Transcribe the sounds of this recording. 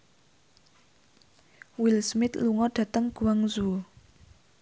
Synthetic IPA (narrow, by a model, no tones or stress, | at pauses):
wilsmit̪luŋɔdat̪aŋkuwaŋzu